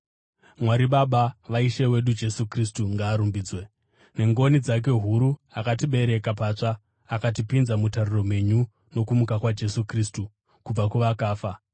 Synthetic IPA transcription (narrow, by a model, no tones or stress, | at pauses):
mwaɾiɓaɓaʋaiʃewe̞ɗud͡ʒe̞sukristuŋɡaːɾumbiːd͡zwe | ne̞ŋɡo̞nid͡zak̬e̞ɦuɾuakatiɓe̞ɾe̞kapat͡ʂaː | katipinzamutariro̞mwe̞ɲu | no̞kumukakwad͡ʒe̞sukriːstu | kub͡vakuʋakaːfa